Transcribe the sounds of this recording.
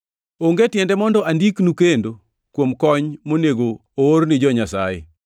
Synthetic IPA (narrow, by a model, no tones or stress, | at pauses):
oŋɡetjɛndɛmɔndɔʔandiknukendo | kwomkɔɲmoneɡoooɾnɪd͡ʒɔɲasa̰jḛ